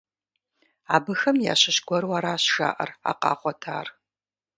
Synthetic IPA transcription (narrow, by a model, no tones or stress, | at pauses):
aːbɨxɐmja̰ːɕɪɕɡʷɔrwaɾaːɕʃa̰ːʔɐ̰ra̰ːqɑ̰ːχʷɔtʰaːr